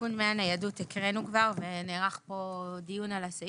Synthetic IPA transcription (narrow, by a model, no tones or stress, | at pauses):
unmeanajadutikʁenukvaʁve̞neʁaχpo̞dijunalasa